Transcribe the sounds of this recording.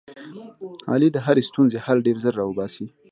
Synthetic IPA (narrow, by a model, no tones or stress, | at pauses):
hɑ̰lid̪əɦaɾest̪unzehalɖeɾzəɾːɑwəbɑsi